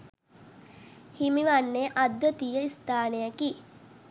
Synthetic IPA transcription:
himiʋanːeʔad̪ʋət̪ijəist̪aːnejaki

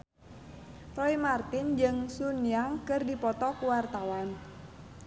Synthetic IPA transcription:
rɔimart̪ɪnd͡ʒɨŋsunijaŋkɨrdipɔt̪ɔkuwart̪awan

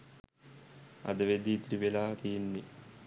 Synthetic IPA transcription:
ɐ̰d̪ɐʋed̪it̪ɾiʋelaːt̪ijnːi

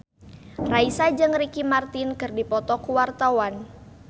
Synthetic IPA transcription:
raisad͡ʒɨŋrikimart̪ɪnkɨrdipɔt̪ɔkuwart̪awan

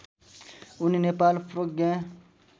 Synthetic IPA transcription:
uninepaːlpɾoɡẽː

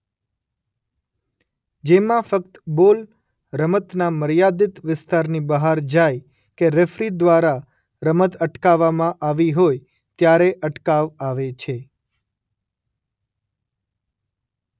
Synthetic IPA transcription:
d͡ʒemãfək̚t̪bol | ɾəmət̪naməɾjad̪ɪt̪ʋɪst̪aɾnibəɦaɾd͡ʒaj | keɾefɾid̪ʋaɾa | ɾəmət̪əʈkaʋːamãʔaʋiɦoj | t̪jaɾeʔəʈkaʋaʋet͡ʃʰe

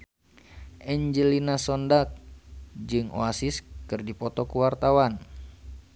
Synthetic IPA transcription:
ʔɛɲd͡ʒəlinasɔndak̚d͡ʒɨŋʔo̰asiskɨrdipɔt̪ɔkuwart̪awan

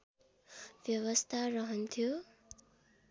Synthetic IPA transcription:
bjʌwʌst̪ʰarʌɦʌnt̪ʰjo

